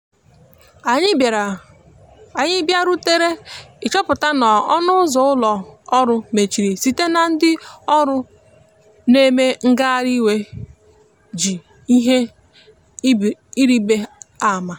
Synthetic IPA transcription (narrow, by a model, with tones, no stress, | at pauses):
a˨ɲɪ˦˨ɾa˨ | a˨ɲɪ˦bja˦ɾu˦te˦ɾe˦ɪ˨t͡ʃɔ˦pʊ˨ta˦nɔ˨ɔ˦nʊ˦ʊ˦zɔ˨˦ʊ˦lɔ˨ɔ˦ɾʊ˦me˨t͡ʃi˨ɾi˨si˨te˦na˨n̩˦dɪ˦ɔ˦ɾʊ˦ | ne˦me˦ŋ̩˦ɡa˦a˦ɾi˦we˦ | d͡ʒi˨ | i˦ɦe˦ | i˦ɾi˦be˦a˦˨ma˨